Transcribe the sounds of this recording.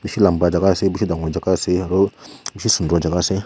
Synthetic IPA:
biʃilambad͡ʒakasibuʃidaŋɡod͡ʒakasiɾobiʃisundod͡ʒakase

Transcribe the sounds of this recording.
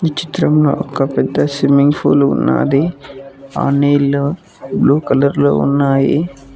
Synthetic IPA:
nit͡ʃi̥t̪ɾɐmloːɔkɐpɛd̪ːɐsimiŋɡpʰuːlunːa̰ːdi | a̰ːneːlo | bluːkɐlɐɾloːṵnːaːjḭ

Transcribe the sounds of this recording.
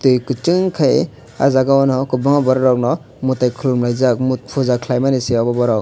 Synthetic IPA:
tɯjkɯt͡ʃɯŋkʰaj | a̰zaɡaɔnɔkɯbɯŋabɔɾɔɾɔk̚nɔ | mutajkʰɯlumlajzak̚mut̚pʰuzakʰlajmaniseɔbɔbɔɾɔ

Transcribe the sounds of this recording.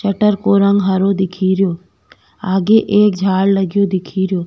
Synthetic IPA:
t͡ʃɐʈəɾkoɾə̃ŋɡɦɐɾod̪ɪkʰiːɾjoː | aːɡeʔeːk̚d͡ʒʱaːɽlɐɡijod̪ɪkʰiːɾjoː

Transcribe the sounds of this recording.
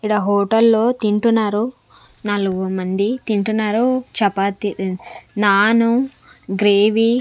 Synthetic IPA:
iɽaɦoːʈɐlːo̞ːt̪iɳʈunːaːɾu | nɐluɡumɐnd̪it̪iɳʈunːaːɾut͡ʃɛpːaːt̪inaːnuɡɾeːʋi

